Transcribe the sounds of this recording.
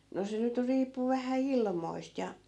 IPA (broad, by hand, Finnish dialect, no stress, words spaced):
no se nyt riːpːu ʋæhæ ilmoist jɑ